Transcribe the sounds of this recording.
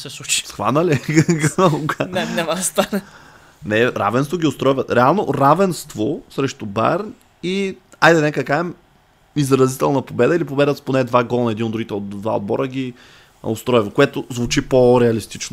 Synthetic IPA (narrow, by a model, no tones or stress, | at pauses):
sɛsut͡ʃi̥sxva̰nəlɛɡnɐlˠuɡanɛnʲaməd̪ɐst̪anɐ | nɛɾa̰vɛnst̪voɡʲiʊst̪ɾɔjvɐɾɛalˠnoɾavɛnst̪vosɾɛʃt̪ʊba̰ɾn | iajd̪ənɛkəkaɛm | izɾɐzit̪ɛlˠnɐpobɛd̪əilipobɛd̪ət̪sponɛd̪vaɡɔlˠnɐɛd̪inot̪d̪ɾuɡʲit̪ɛod̪d̪va̰o̰d̪̚bɔ̰ɾəɡʲi | ost̪ɾɔjvokoɛt̪ʊzvʊt͡ʃipoɾɛɐlist̪it͡ʃno